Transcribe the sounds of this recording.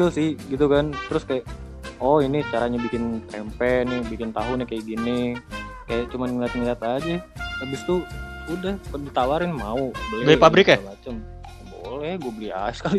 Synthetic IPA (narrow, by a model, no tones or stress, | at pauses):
əsɪhɡit̪ukant̪əɾʊskajaʔ | ɔinit͡ʃaɾaɲabikɪnt̪ɛmpɛnɪhbikɪnt̪aɦʊnɪkajaɡinɪ | kajaʔt͡ʃumanŋliat̪̚ŋəliat̪ad͡ʒaabɪst̪uudahpədit̪awaɾɪnmaubaɡpabɾɪkamat͡ʃəm | bo̰lɛhɡuɛbəlia̰sə̥kali